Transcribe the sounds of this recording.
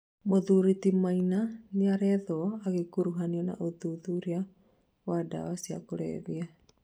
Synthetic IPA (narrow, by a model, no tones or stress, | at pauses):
mɔðuɾit̪imainaniaɾɛðɔaɡɛkuɾuɦaniɔna̰ʔuðuðuɾia | wada̰wasia̰kɔɾḛβia